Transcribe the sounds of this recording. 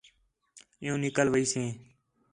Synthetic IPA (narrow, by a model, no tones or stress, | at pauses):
ɪ̃ũːnɪkəlʋəiːsẽː